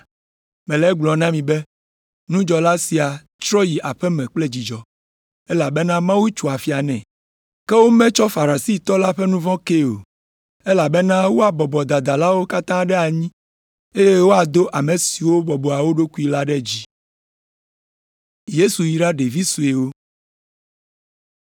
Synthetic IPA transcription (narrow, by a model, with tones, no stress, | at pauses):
mɛ̃˨lɛ˦ɡ͡blɔ˨nã˦mĩ˨bɛ˦ | nũ˦d͡ʒɔ˨la˦si˨a˨ | t͡ʃɾɔ˦ji˨ʔa˨ɸɛ˦mɛ̃˨k͡plɛ˦d͡ʑi˨d͡ʒɔ˨ | ɛ˦la˨bɛ˦nã˦mã˦wu˦t͡ʃu˨a˨fi˨a˨nɛ̃˨ | kɛ˦wo˦mɛ̃˦t͡ʃɔ˦fa˨ɾa˨si˦t̪ɔ˦la˦ɸɛ˦nũ˦vɔ̃˦ke˦o̰˨ | e˦la˨bɛ˦nã˦wo˦a˨bɔ˨bɔ˨d̪a˨d̪a˨la˦wo˦ka˦t̪ã˦ɖɛ˦a˨ɲĩ˦ | e˦je˦wo˦a˨d̪o˦ʔa˨mẽ˨si˨wo˦bɔ˨bɔ˨a˨wo˦ɖo˦ku˦i˦la˦ɖɛ˦d͡ʑi˦ | je˦su˨ji˨ɖa˦ɖe˨vi˦su˨e˨wo˦